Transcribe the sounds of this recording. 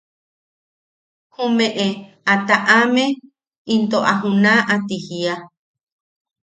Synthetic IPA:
hũmẽʔe | at̪aʔamẽ | int̪oʔaɦũnãʔat̪ihia

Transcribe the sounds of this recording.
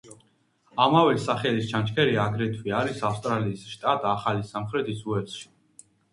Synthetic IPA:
amavɛsaχɛlist͡ʃʰant͡ʃkʰɛɾiaɡɾɛt̪ʰwiaɾisafst̪ʼɾaliːsʃt̪ʼat̪ʼaχalisamχɾɛt̪ʰisuɛt̪sʃi̥

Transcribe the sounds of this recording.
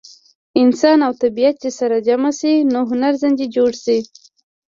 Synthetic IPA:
ɪnsɑnawt̪abijat̪̚t͡ʃesaɾad͡ʒamasinoɦʊnaɾzand̪id͡ʒoɽsi

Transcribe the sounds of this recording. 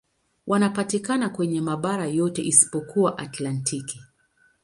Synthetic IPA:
wʔanapatikanakwɛɲɛmaɓaɾajɔtɛʔisi̥pɔkʰuwaʔatlantʰiki

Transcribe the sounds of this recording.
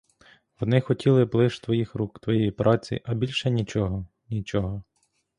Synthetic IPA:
ɔd̪nɪxɔtʲilˠɪblˠɪʃt̪ʋɔjixɾukt̪ʋɔjɛjipɾʔɑt͡sʲḭʔɐbʲilʲʃɛnʲit͡ʃɔɦɔ | nʲit͡ʃɔɦɔ

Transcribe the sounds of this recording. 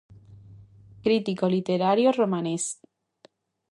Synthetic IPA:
kɾit̪ikolit̪eɾaɾjoromãnes

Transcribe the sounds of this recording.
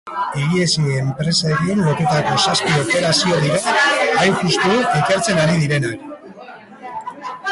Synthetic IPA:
iɣiesiempɾe̞saeɣioɾβo̞t̪et̪ako̞saspio̞pe̞ɾasio̞ðiɾaajxust̪uike̞ɾt͡se̞ŋɡaɾiðiɾe̞nak

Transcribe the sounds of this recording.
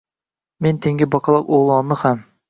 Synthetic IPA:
ment̪ʰeŋɡʲibɑkʰɑlˠɑqoʁlˠɑnːɨχɛm

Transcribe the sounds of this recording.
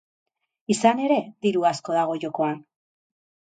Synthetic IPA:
isane̞ɾe̞ðiɾuasko̞ðaɣ̞o̞ʝo̞ko̞an

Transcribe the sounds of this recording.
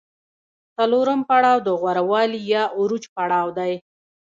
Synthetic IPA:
t͡saloɾəmpaɽɑwd̪əɣwaɾawɑlijɑʔuɾud͡ʒpaɽɑwd̪aj

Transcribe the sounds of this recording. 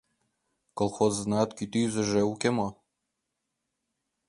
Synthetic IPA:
kolˠxoznɑt̪kit̪yzɘ̆ʒeukʲemo

